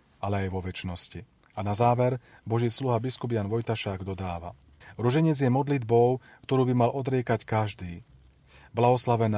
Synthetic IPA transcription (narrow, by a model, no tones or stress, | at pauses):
alɛajʋɔʋɛt͡ʃnɔsci | anazaːʋɛɾ | bɔʒiːsluɦabiskubjanʋɔjt̪aʃaːɡd̪ɔd̪aːʋa̰ | ɾuʒɛɲɛd͡zjɛmɔd̪lid̪bɔʊ | kt̪ɔɾuːbimalʔɔd̪ɾɪɛkackaʒd̪iː | blaɦɔslaʋɛna